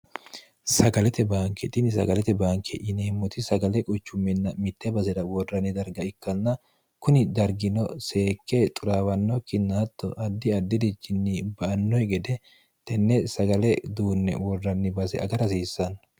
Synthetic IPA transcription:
sɐɡɐlɛt̪ɛbaːŋkɛt̪ʼɪnɪsɐ̰ɡɐlɛt̪ɛbaːŋkʰɛʔɪneːmːɔt̪ɪsɐɡɐlɛkʼʊt͡ʃːʊmːɛnːɐmɪt̪ːɛbɐsɛd̪ɐwɔrːɐnɪd̪ɐɾɡɐɪkːɐnːɐ | kʊnɪd̪ɐɾɡɪnɔseːkːet̪ʼʊɾaːwɐnːɔkːɪnːɐɐt̪ːɔ̰ʔɐd̪ːɪɐd̪ːɪd̪ɪd͡ʒːɪnːɪbɐʔɐnːɔjɡɛd̪ɛ | t̪ɛnːɛsɐɡɐlɛd̪uːnːɛ̰wɔrːɐnːɪbɐsɛ̰ɐɡɐɾɐsiːsːɐn

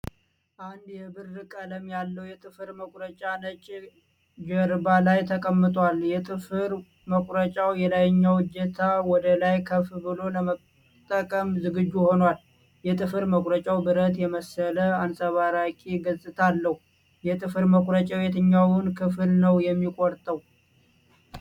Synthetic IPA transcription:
ʔand̪jɛbɨrːɨkʼələmjalːəwjɛt̪ʼɨfɨɾməkʼɾət͡ʃʼanət͡ʃʼ | d͡ʒəɾbalajt̪ʰəkʼəmːɨt̪ʼwaljɛt̪ʼɨfɨɾ | məkʷʼɾət͡ʃʼawjɛlajɲːawɨd͡ʒɛt̪ʰawɔd̪əlajkʰəfbɨlo̞ləmə | t̪ʼːəkʼəmzɨɡɨd͡ʒːuho̞nwal | jɛt̪ʼɨfɨɾməkʼɾət͡ʃʼawbɨɾət̪jɛməsələansʼəβaɾakʼiɡəsʼɨt̪ʰalːəhu | jɛt̪ʼɨfɨɾməkʷʼɾət͡ʃʼawjet̪ʰɨɲːawɨnkʰɨfɨlnəwjɛmːikʼɔɾt̪ʼəw

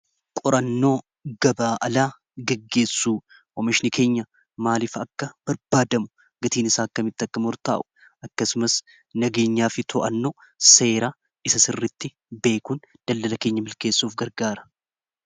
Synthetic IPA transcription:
kʼɔɾʔɐnːo̞ː | ɡ̥ɐbaːʔɐlaː | ɡɛɡːe̞ːsːuː | ʔɔmɪʃɪnɪke̞ːɲːɐ | maːlɪfɐkːɐb̥ɐɾbaːd̪ɐmʊ | ɡɐt̪iːnɪsaːɐkːɐmɪt̪ːɐkːɐmɔɾt̪a̰ːʔʊ̥ | ɐkːɐsʊmɐs | nɐɡe̞ːɲːaːfɪt̪ʰɔʔɐnːo | se̞ːɾa | ʔɪsɐsɪrːɪt̪ːɪ | be̞ːkun | d̪̥ɐld̪ɐlɐke̞ːɲːɐmɪlke̞ːsːuːfɡɐɾɡaːɾɐ̥

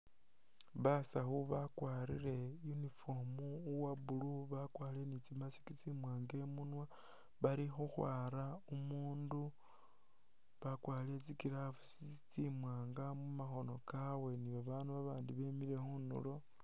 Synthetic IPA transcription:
βasaxuβakwaːɾḭɾe̞junifo̞muːwabuluβakwaːlienit͡simasi̥kit͡simwaːŋɡe̞munwa | βaɾixuxwaːɾaumuːndu | βakwaːliet͡sikiɾafusit͡sit͡simwaːŋɡamumaxo̞no̞kawe̞niβaβaːnduβaβaːndiβe̞miɾe̞xunṵlo̞

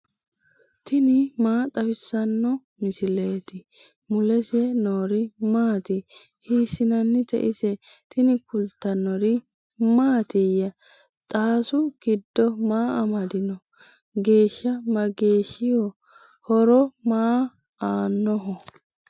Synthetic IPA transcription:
t̪ʰɪnɪmaːt̪ʼɐfɪsːɐnːɔ | mɪsɪleːt̪ɪ | mʊlɛsɛnoːɾɪmaːt̪ɪ | hiːsɪnɐnːɪt̪ɛ̰ʔɪsɛt̪ɪnɪkʊlt̪ːɐnːɔɾɪ | maːt̪ɪjːɐ | t̪ʼaːsʊɡ̥ɪd̪ːɔmaːɐmɐd̪ɪnɔ | ɡe̞ːʃːɐmɐɡe̞ːʃːɪjɔ | hɔɾɔmaː | aːnːɔɦɔ

